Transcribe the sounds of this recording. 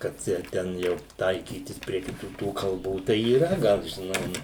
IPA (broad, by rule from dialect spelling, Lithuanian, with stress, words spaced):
kɐt ˈjɛʊ ˈtʲɛn jɛʊ ˈtɐɪkʲiːtʲɪs pʲrʲiɛ kʲɪˈtuː tuː kɐlˠˈbuː tɐɪ iːˈrɐ ˈɡɐlˠ ʒʲɪˈnɐɪ ˈnʊ